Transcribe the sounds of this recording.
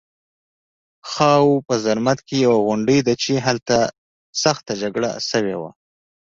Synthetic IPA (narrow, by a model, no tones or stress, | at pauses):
xɑwpəzaɾmat̪kejawaɣʊɳɖəjd̪at͡ʃeɦalt̪a | saxt̪ad͡ʒaɡɽa̰səwewa̰